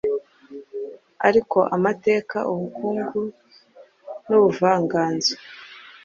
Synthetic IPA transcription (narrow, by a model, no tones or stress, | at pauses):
aɾiko̞ʔamate̞ːka̰ʔuβukuːŋɡu | nuβuvaːŋɡaːnzi̥